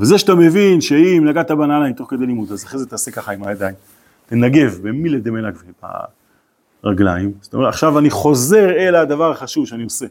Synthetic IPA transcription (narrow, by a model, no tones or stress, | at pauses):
vezeʃatame̞vinʃeimlaɡat̪abanalaemto̞χke̞d̪ejlimut̪azaχʁezet̪aːse̞kaχaimajad̪aim | t̪enaɡe̞vbemiled̪emenakveba̰ | ʁaɡlaimʃt̪a̰o̰meaχʃavaniχo̞ze̞ʁe̞lad̪avaʁaχaʃuvʃeanio̞se̞